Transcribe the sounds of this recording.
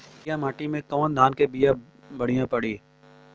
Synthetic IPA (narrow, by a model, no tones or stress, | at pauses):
jamaːʈimẽkɔːnd̪ʱaːnkebija | bɐɽ̤ijãpɐɽiː